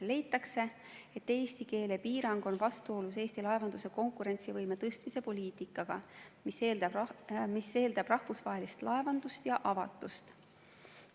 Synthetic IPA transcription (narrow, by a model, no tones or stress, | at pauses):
le̞jt̪ːˑɑkse̞ | e̞t̪ːe̞ːst̪ike̞ːle̞piːɾɑŋɡ̥o̞nvɑst̪uo̞lus̬e̞ːst̪ilɑevɑnd̪̥use̞ko̞ŋkˑuɾe̞nt̪sivɤjme̞t̪ɤst̪mise̞po̞lʲiːt̪ˑikːˑɑɡ̥ɑmiseld̪ɑmise̞ːld̪̥ɑb̥rɑhvusvɑɦe̞list̪lɑe̞vɑnd̪̥ust̪jɑʔɑvɑt̪ːˑust̪